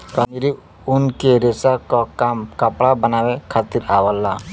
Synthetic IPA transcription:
kɔniɾi | unkeɾesakɔkamkapɽabənawekʰat̪iɾawalːa

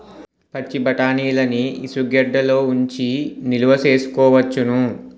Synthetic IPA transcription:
pɐt͡ʃːibɐʈaːniːlɐniisuɡɛɖːɐloːuɲt͡ʃiniluʋɐse̞ːsu̥kɔːʋɐt͡ʃːunu

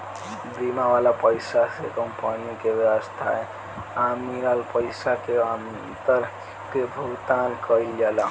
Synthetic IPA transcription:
bimaʋalapəjsasekəmpaniõkebjəwəst̪ʰae | amiɾalpəɪsakeam | t̪əɾ | kebʱuɡt̪ankəiljala

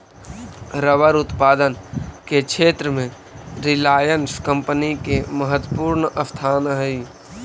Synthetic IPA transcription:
ɾəʋəɾʊt̪paːd̪ənkekʃʰeːt̪ɾəmẽ | ɾɪlaːjənskə̃mpənikeməɦət̪wəpuːɾnəst̪ʰaːnɦəi

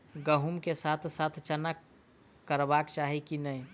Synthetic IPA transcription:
ɡəɦumkesaːt̪ʰsaːt̪ʰt͡ʃənəkː | əɾbaːkt͡ʃaːɦikinəĩ

